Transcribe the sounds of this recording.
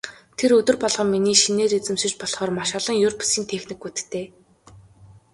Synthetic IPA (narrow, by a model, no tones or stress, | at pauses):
t̪ʰeɾɵt̪ɵ̆rpɔɮʁɞ̆mːiniːʃineːɾet͡sɘ̆mʃɪ̆t͡ɕpɔɮχɔːrmaʃaɮə̆ŋjɵrpʰsiːnt̪ʰexnikːut̪ɘ̥̆t̪ʰeː